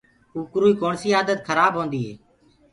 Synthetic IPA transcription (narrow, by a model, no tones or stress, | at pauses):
uːkɾuːiːkoːɳsiːaːd̪ət̪kʰəɾaːbɦõːnd̪iːɦeː